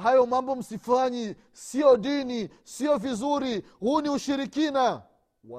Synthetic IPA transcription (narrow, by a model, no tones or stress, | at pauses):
ɦajɔmambɔm̩sifaɲɛ | siɔɗinisiɔvizuɾi | huːniuʃiɾikina